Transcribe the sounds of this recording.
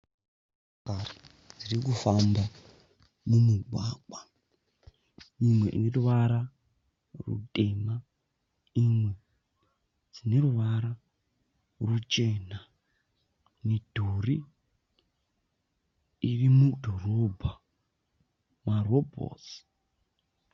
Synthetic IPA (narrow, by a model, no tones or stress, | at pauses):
kari | d͡zirik̬ufamba | mumuɡʱwaːɓwa | imwe̞ʔḭne̞ruʋaɾa | rṵtʼe̞ːma | imwe̞ | d͡zine̞ɾuʋaɾa | rut͡ʃe̞na | ne̞dʱori | irimudʱo̞ro̞bʱa | marobʱo̰ːsi̥